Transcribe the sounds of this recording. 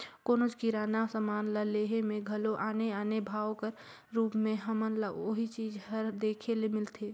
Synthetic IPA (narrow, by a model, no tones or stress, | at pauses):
koːnod͡ʒkiɾaːnasəmaːnlaleːɦemẽɡʱəloʔaːneaːnebʱaːwkəɾ | ɾuːpmẽɦəmənlaoɦit͡ʃiːd͡ʒɦəɾd̪eːkʰelemɪlt̪ʰe